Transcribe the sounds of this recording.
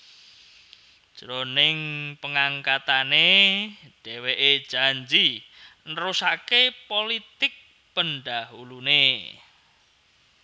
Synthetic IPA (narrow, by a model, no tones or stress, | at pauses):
ʒ̥ɾonɪŋpəŋaŋkat̪ane | ɖ̥ɛweʔed̥ʒ̥a̤ɲd͡ʒinəɾusakepolit̪ɪk̚ | pənɖaɦulune